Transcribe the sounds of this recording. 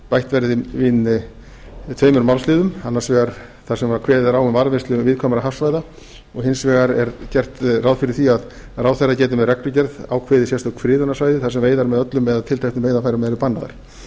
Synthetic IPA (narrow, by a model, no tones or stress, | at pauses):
pajht̪vɛɾðɪvɪn | t̪ʰvœːɥmʏɾmawlslɪːðʏmanːḁɾsvɛːɣaɾ | θasɛmvaɾkʰvɛːðɾawʏmvaɾvɪnst̪lʏvɪðkʰɔːmaɾaɦafsvaːjða | ɔɣhɪnsvɛɣaɾɛɾcɛr̥t̪rawðfɪɾɪɾ̥θiað | rawθɛrːacɛːt̪ʏmɛrɛk̪ʏcɛɾða̰wkʰvɛːðɪsjɛst̪awkʰfɾɪːðʏnːasvajðɪθasɛmvejðaɾmɛðœt̪lʏmɛðat̪ʰɪlt̪ʰajhnʏmveːjðafajɾɪmɛɛɾʏpanːaða̰ɾ̥